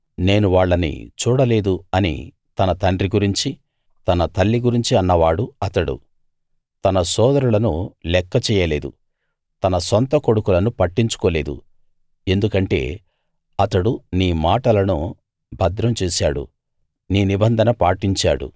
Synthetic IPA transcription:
ne̞ːnuʋaːɭːɐnḭt͡ʃuːɽɐle̞ːd̪uɐnḭ | t̪ɐnɐt̪ɐɳɖriɡuɾiɲt͡ʃi | t̪ɐnɐt̪ɐlːiɡuɾiɲt͡ʃiɐnːɐʋaːɽuɐt̪ɐɽṵ | t̪ɐnɐsɔːd̪ɐɾulɐnulɛkːɐt͡ʃɛːjɐle̞ːd̪u | t̪ɐnɐsont̪ɐko̞ɽukulɐnupɐʈːiɲt͡ʃu̥koːle̞ːd̪ṵ | e̞nd̪ukɐɳʈe̞̰ː | ɐt̪ɐɽuniːmaːʈɐlɐnṵ | bʱɐd̪ɾɐmt͡ʃɛːsa̰ːɽṵ | niːnibɐnd̪ʱɐnɐpaːʈiɲt͡ʃa̰ːɽṵ

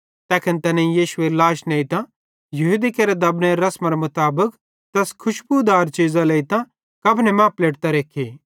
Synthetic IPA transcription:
t̪ɛːkʰɐnt̪ɛnẽijiːʃʊelaːʃneːit̪ã | jɐɦuːd̪ikeɾed̪ɐbneɾɐsmaɾemʊt̪aːbək | t̪ɐskʰʊʃbud̪aːɾt͡ʃiːzaleit̪ã | kɐbʱnɛmãːpleːʈt̪aɾeːkʰe

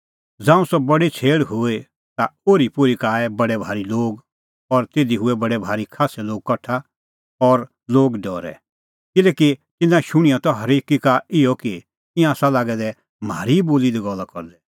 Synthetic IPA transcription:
d͡zãːũsɔbɐɽit͡sʰeːɽɦʊe | t̪aoːɾipʊɾikaːɛbɐɽɛbʱaːɾiloːɡ | ɔɾt̪eːd̪iɦʊɛbɐɽɛbʱaːɾikʰaːsɛloːɡ̚kɐʈʰa | ɔɾ | loːɡɖɔːɾɛ̰ | kɪlɛːkit̪ɪnãʃʊɽ̃ijɔt̪ɔɦɐɾeːkikaɪjɔki | tɪ̃jãsalaːɡɛd̪ɛ | maːɾiboːlid̪ɛɡɔlːakɔɾd̪ɛ

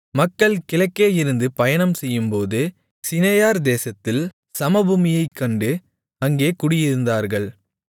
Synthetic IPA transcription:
mɐkːɐɭkɪɭɐkːeːjɪɾɯnd̪ɯpɐjɐnɐmsɛjːɯmpoːðɯ | sɪnejaːɾd̪eːsɐt̪ːɪl | sɐmɐbuːmɪjɐɪkːɐɳɖɯ | ɐŋɡeːkʊɽɪjɪɾɯnd̪aːɾɣɐɭ

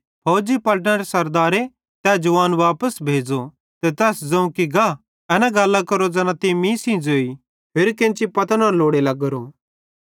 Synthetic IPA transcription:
pʰɐːd͡ʒipɐlʈ̬nəɾesɐɾd̪aːɾe | t̪ɛːd͡ʒʊʋaːnʋaːpəsbʱeːd͡ʒo | t̪et̪ɛːsd͡zɐ̃ũkiɡa | ɛnaɡɐlːakɐɾod͡zɐnãt̪emĩːsĩd͡zoːi | pʰɪɾkẽnt͡ʃipɐt̪nãloːɽelɐɡɾo

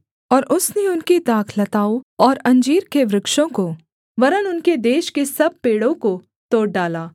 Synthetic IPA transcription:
ɔːɾʔʊsneʊnkit̪aːkʰlɐt̪aːoɔːɾɐ̃ɲd͡ʒiːɾkeʋɾɪkʃõko | ʋɐɾənʊnked̪eːʃkesɐb̚peːɽõko | t̪oːɽ̚ɖaːlaː

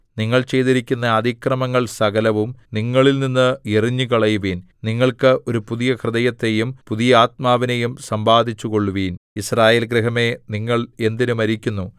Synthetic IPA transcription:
niŋːɐɭt͡ɕe̞jt̪iɾikʲːunːɐːd̪ʱikrɐmɐŋːɐɭsɐɣɐlɐʋumniŋːɐɭilninːɨeriɲːukɐɭɐjuʋiːn | niŋːɐɭkɨʔo̞ɾupuðijɐkrɨd̪ɐjɐt̪ːe̞jumpuðijɐaːt̪̚maːʋinejumsɐmbʱaːd̪ʱit͡ɕːuko̞ɭːuʋiːnisraːje̞ːlɡɾiɦɐme̞niŋːɐɭe̞nd̪inumɐɾikʲːunːu

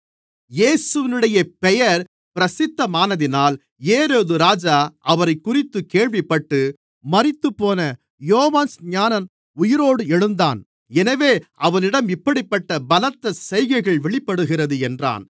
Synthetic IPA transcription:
jeːsɯʋɪnɯɽɐjɐpɛjɐɾ | pɪɾɐsɪt̪ːɐmaːnɐðɪnaːl | eːɾoːðɯɾaːd͡ʒaːʔɐʋɐɾɐɪkːʊrɪt̪ːɯkeːɭʋɪpːɐʈːɯ | mɐɾɪt̪ːɯpːoːnɐ | joːʋaːnsɲaːnɐn | ʊjɪɾoːɽɯɛɻɯnd̪aːn | ɛnɐʋeːʔɐʋɐnɪɽɐmɪpːɐɽɪpːɐʈːɐbɐlɐt̪ːɐsɛjɣɐɪɣɐɭʋɛɭɪpːɐɽɯɣɪrɐðɯɛndra̰ːn

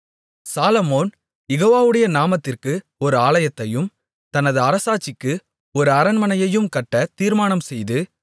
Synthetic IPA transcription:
saːlɐmoːn | jɛɣoːʋaːʋɯɽɐjɐnaːmɐt̪ːɪrkɯ | ɔɾɯaːɭɐjɐt̪ːɐjɯm | t̪ɐnɐðɯɐɾɐsaːt͡ʃːɪkːɯ | ɔɾɯɐɾɐnmɐnɐjɐjɯmkɐʈːɐt̪iːɾmaːnɐmsɛjðɯ

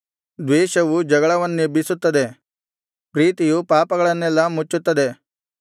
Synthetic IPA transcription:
d̪ʋɛːʃɐʋud͡ʒɐɡɐɭɐʋɐnːibʱisut̪ːɐd̪e̞ | pɾiːt̪ijupaːpɐɡɐɭɐnːɛlːɐmut͡ʃːut̪ːɐd̪e̞

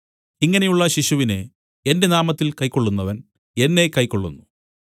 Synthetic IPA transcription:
iŋːɐne̞juɭːɐɕiɕuʋine | e̞nde̞naːmɐt̪ːilkɐjkːo̞ɭːunːɐʋɐn | e̞nːe̞kɐjkːo̞ɭːṵnːu

